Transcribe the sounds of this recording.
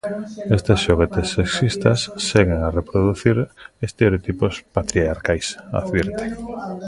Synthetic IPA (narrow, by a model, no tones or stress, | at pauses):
est̪esʃoɣet̪esːeksist̪ɐsːeɣeŋarepɾoðuθiɾest̪eɾeot̪ipospat̪ɾiaɾkajsa̰ðβɛɾt̪e̥